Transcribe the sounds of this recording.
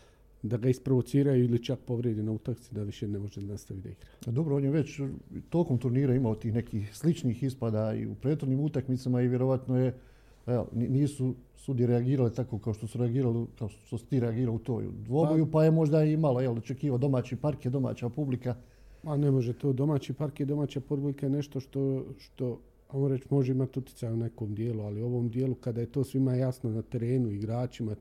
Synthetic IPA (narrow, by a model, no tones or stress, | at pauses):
d̪aɡaispɾoʋot̪siːɾajuilit͡ʃak̚po̞ʋɾjed̪enaut̪akt̪sid̪aʋiʃenemoʒed̪anast̪aʋid̪aiɡ̥ɾaad̪o̞bɾooːnjeʋe̞t͡ɕt̪o̞ːkomt̪uɾniːɾaimaot̪iːhne̞kiːxslit͡ʃniːxispad̪aḭṵpɾeːt̪xod̪niːmut̪akmit̪samaiʋʲje̞ɾoʋat̪noje | ɛl̰nniːsu | sud̪jeɾeaɡiːɾalit̪ako̞ːkao̞ʃt̪osuɾeaɡiːɾalikaoʃtot̪ost̪iɾeaɡiːɾalut̪o̰ːjṵd̪ʋobojupajemo̞ʒd̪aimalo̞jelot͡ʃekiːʋad̪o̞maːt͡ɕipaɾked̪oma̰ːt͡ɕapublika | anemo̞ʒet̪oːd̪o̞maːt͡ɕipaɾked̪o̞maːt͡ɕapublikane̞ʃt̪o̞ʃt̪oʃt̪o̞ | ajmoɾet͡ʃmo̞ʒeimat̪ut̪j̥t̪sajune̞ko̞ːmd̪jeːlualio̞ʋo̞ːmd̪jeːlˠukad̪ajet̪o̞ːsʋimajasnonat̪e̞ɾeːnuiɡɾaːt͡ʃima